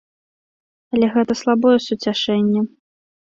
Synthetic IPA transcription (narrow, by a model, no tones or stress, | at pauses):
ɐlʲɛɣɛt̪ɐslˠabɔjɛsut͡sʲaʂɛnʲːɛ